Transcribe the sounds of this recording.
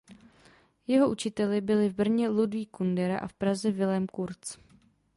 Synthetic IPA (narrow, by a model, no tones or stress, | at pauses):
jɛɦo̞ʔut͡ʃɪt̪ɛlɪbɪlɪvbr̩ɲɛludviːkundɛɾa̰ʔa̰fpɾazɛvɪlɛmkuɾt͡s